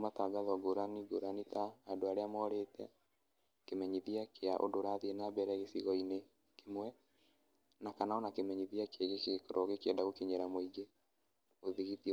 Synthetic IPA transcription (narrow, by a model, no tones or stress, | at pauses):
omataːɡaðɔɡoɾaniɡoɾanitaːdoaɾeamɔɾetɛ̰ | kemɛɲiðiakʰeaʔo̰doɾaðienabɛɾɛɣesiɣɔine | kemwɛ | nakanaɔnakemɛɲiðiakeɣekekoɾoɣekɛndaɣokeɲeɾamoiɡe | oðiɣiti